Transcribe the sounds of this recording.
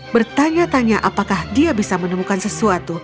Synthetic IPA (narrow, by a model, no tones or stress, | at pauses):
bərt̪aɲat̪aɲaʔapakahdiabisamənəmukansəsuat̪u